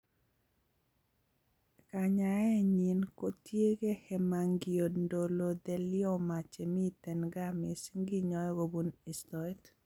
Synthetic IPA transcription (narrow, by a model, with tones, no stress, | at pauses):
ka˨ɲa˨ɛ˦ɲi˨nko˦tje˦ɡe˦hɛ˨ma˨ŋɡio˨ndo˨lo˨d̪ɛ˨lɪɔ˦ma˨t͡ʃe˨mi˦t̪ɛ˨nɡamɪ˨sŋɡi˦ɲɔ˨ɡo˨bu˦ni˨stɔit